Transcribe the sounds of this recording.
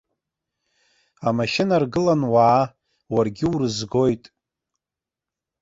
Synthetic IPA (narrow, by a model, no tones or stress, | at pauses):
amaʃɪnarɡɨlanwaː | warɡʲɪurɨzɡo̞jtʼ